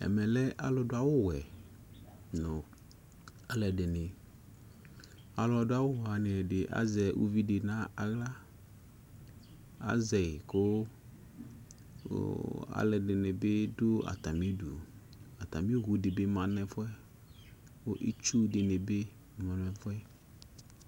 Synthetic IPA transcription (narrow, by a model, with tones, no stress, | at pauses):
ɛ̰˨mɛ̃˨lɛ˦ʔa˨lɔ˦do˦a˦wo˦wɛ˨ | nɔ̃˨ | a˨lɛ˨ɖe˨nẽ˨ | a˨lɔ˨do˦a˦wo˦wa˨nẽ˨ɖe˨ʔa̰˨zɛ˨wʔṵ˦vi˦de˨nã˦a˨ɣla˦ | a̰˨zɛ˨e˨ko˦ | a̰˦lɛ˨de˨nẽ˨be˦do˦a̰˨t̪a˨mĩ˦du˨ | a˨t̪a˨mĩ˦ɣu˨de˨be˦mã˨nɛ̃˦fɔ˦ɛ˦ | wo˦ʔi˦t͡ʃu˦de˨ne˨be˦˨ | mã˨n˦ɛ̃˨fɔ˦ɛ˦